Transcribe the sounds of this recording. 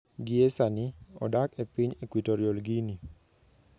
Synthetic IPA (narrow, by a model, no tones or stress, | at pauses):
ɡiesaniɔ̰dakepiɲekwitoɾjolɡini